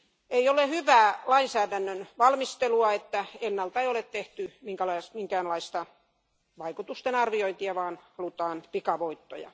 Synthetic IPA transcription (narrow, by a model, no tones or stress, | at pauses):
eiolehyʋæːlɑinsæːdænːønʋɑlmist̪eluɑet̪ːæenːɑlt̪ɑeiolet̪t̪eht̪ymiŋkælɑsmiŋkæːnlɑist̪ɑ | ʋɑikut̪ust̪enɑrʋioint̪iɑʋɑːnhɑlut̪ɑːnpikɑʋoit̪ːo̰jɑ̰